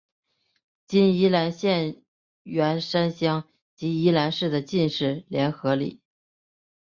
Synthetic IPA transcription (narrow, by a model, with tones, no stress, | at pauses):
t͡ɕi˥ni˥la˧˥nɕjɛ˥˩n | ɥɛ˧˥nʂa˥nɕjɑ˥ŋ | t͡ɕi˧˥i˥la˧˥nʂɻ̩˥˩d̪ə˩t͡ɕi˥˧nʂɻ̩˥˩ljɛ˧˥nxɤ˧˥lḭ˨˩˦